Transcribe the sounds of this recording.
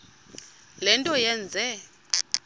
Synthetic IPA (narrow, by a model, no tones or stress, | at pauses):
lɛntʼɔjɛnd͡zʱɛ